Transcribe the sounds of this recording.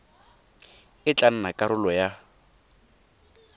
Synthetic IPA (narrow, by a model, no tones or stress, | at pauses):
ɪt͡ɬʼan̩nakʼaɾʊlɔja